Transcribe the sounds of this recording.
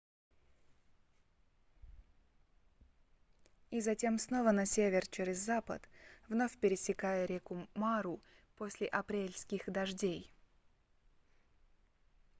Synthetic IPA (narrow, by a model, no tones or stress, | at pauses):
izɐtʲe̞msno̞vənɐsʲevʲɪrt͡ɕeɾʲɪzːapə̰t̪vnofʲpʲɪɾʲɪsʲɪkajəɾʲekʊmaɾʊposʲlʲɪʔɐpɾʲelʲskʲɪxd̪ɐʐdʲej